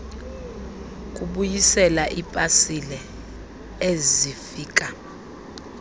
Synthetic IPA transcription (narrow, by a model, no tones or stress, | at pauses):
k̬ʼuɓujisɛlaʔipʼasilɛ | ezifiːk̬ʼa